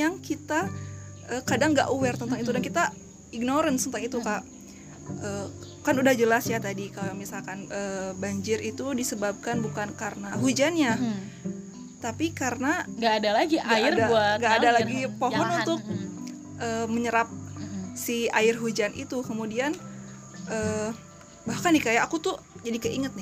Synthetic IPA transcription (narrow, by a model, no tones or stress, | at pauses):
jaŋkit̪a | ʔəkadaŋɡa̰ʔuwɛrt̪ənt̪aŋit̪̬udankit̪a | iɡ̚noɾənt̪ənt̪aŋit̪ukaʔ | əː | kanudahd͡ʒəlasjat̪adikalamisalkanəːbaɲd͡ʒɪɾit̪udisəbab̚kanbukankaɾənaɦud͡ʒanɲa | t̪apikaɾənaɡaːdalaɡiaɡaɪrdabuaɡaːdalaɡipoɦɔnunt̪ʊk̚ | ʔəːməɲəɾap̚siaɪrɦud͡ʒanʔḭt̪ukəmudian | ʔəː | bahkanːɪkajaːkut̪ʊd͡ʒadikaʔiŋət̪̚nɪ